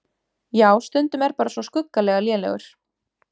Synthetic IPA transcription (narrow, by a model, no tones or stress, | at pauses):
jaːwst̪ʏnt̪ʏmɛɾpaːɾasvɔskʏkːalɛːɣaljɛːlɛ̰ɣʏɾ̥